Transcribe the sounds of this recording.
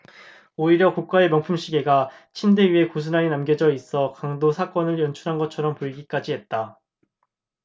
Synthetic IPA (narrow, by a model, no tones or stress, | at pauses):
oiɾjʌkuk̚k͈aemjʌŋpʰumɕʰiɡe̞ɡat͡ɕʰinde̞ɥie̞kos̬ʰunaenamɡjed͡ʑʌis͈ʌkaŋdosʰak͈ʌnɯɭjʌnt͡ɕʰuɾɦanɡʌt͡ɕʰʌɾʌmpoiɡik͈ad͡ʑiɦe̞t̚t͈a